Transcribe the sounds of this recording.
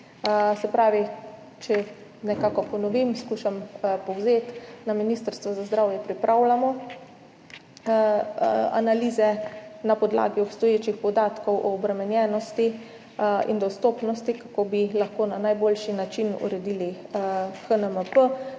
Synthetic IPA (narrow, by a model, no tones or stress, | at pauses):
sɛpɾaːʋi | t͡ʃɛ | nɛkaːkɔpɔnɔʋimskuːʃampɔwzeːt̪naminist̪əɾst̪ʋazazd̪ɾawjɛpɾipɾʔawlamɔ | a̰naliːzɛnapɔd̪la̰ːɡiɔpst̪ɔjeːt͡ʃixpɔd̪aːt̪kɔwʔɔːbɾɛmɛnjɛːnɔst̪i | ḭnd̪ɔst̪oːpnɔst̪ikakoːbilaxkoːnanajboːlʃinat͡ʃinṵɾɛd̪iːli | xənəməpə